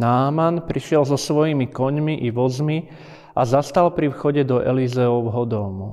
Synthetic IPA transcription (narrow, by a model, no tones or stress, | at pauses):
naːmanpɾiʃɪɛlzɔsʋɔjimikɔɲmiʔiʋɔzmi | azast̪alpɾifxɔɟɛd̪ɔʔɛ̰lizɛɔwɦɔd̪ɔmu